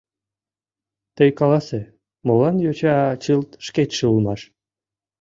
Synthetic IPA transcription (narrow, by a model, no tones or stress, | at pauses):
t̪əjkɑlɑse | molɑnjot͡ɕɑt͡ɕɨlt̪ʃket̪ʃeulˠmɑʃ